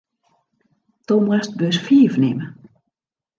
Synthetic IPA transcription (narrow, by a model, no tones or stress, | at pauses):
tomwɛst̚bøsfiːvnɪmə